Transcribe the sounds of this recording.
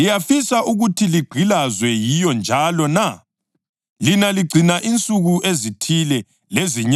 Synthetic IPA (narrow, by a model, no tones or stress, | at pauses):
ijafisaʔuɣutʰiliɡ͡ǀʱilazwɛjijɔnd͡ʒʱalɔna | linaliɡ͡ǀʱinaʔint͡sʼuɣuʔezitʰilɛ | leziɲ